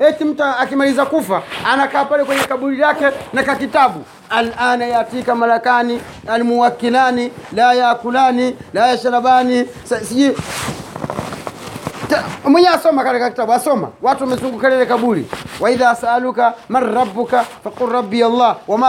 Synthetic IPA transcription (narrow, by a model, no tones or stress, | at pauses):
hɛtim̩taːkimalizakufaːnakaːpalɛkwɛɲɛkaɓulilakɛnakakitaɓu | alʔanajatikamalakani | alimuwakːilanilajakulanilajaʃalaɓani | ssid͡ʒi | tmwɛɲɛasɔmakalɛkakitaɓuasɔma̰watuamɛzuŋɡukɛlɛlɛkaɓulḭwaiðasaalukamanɾɑbːukafaqulɾɑbːialːawama